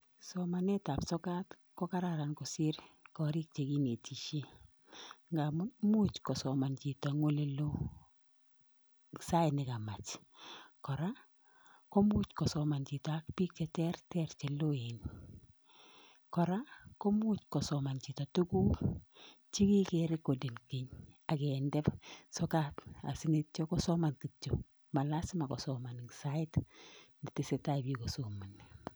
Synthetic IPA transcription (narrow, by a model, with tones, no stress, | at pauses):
sɔ˨ma˨nɛ˦ta˨psɔ˦ka˦t | kɔ˦ka˦ɾa˦˨ɾa˨nkɔ˨sɪ˦ɾkɔ˨ɾi˦k̚t͡ʃe˨ɡi˦ne˨tʰi˨ʃe˦ | ŋɡa˨m˦mu˦t͡ʃkɔ˨sɔ˨ma˨nd͡ʒi˨ta˨ŋo˦le˦lo˦ | sa˦ɪ˨nɪ˨ka˨ma˨t͡ʃ | kɔ˨ɾa˦ | kɔ˦mu˦t͡ʃkɔ˨sɔ˨ma˨nd͡ʒi˨ta˦kpi˦k̚t͡ʃɛ˦tɛ˦ɾtɛ˦ɾt͡ʃɛ˨lo˦e˨n | kɔ˨ɾakɔ˦mut͡ʃkɔ˨sɔma˨nt͡ʃi˨to˨tu˦ku˦ | t͡ʃi˦ki˦keɾekːo˨de˨nkɪɲa˨kɛndɛ˦psɔkata̰˨sɪŋit̚t͡ʃɔkɔ˦sɔma˨nki˨t͡ʃːo | ma˨lasɪ˦ma˨kɔ̰˨sɔma˨nɪŋsaɪ˦tnɪ˨tɪseta˦˨biko˨somu˨n